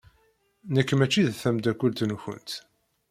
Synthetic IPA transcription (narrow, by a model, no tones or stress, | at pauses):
nəkːmæt͡ʃːiðθæmd̪ækʷːəlt̪nçə̰nt̪